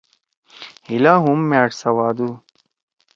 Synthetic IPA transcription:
hilaɦumːeːʈsɐwaːd̪u

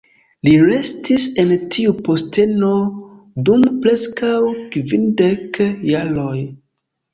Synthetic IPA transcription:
liɾe̞stise̞ntʰiupo̞ste̞no̞ | dumpɾeskawkvindekːaloj

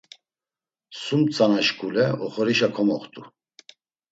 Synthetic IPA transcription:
sumt͡sʼanaʃkʰulɛɔχɔɾiʃakʰɔmɔχt̪ʼu

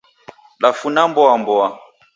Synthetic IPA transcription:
lafunambɔambɔa

